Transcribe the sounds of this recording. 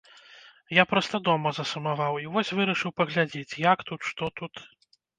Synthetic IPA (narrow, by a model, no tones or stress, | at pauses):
japɾɔst̪ɐd̪ɔmɐzɐsɐmavawivɔsʲvɨɾɐʂɨwpɐɣlʲad͡zʲet͡sʲjakt̪ut̪ʂt̪ɔt̪ut̪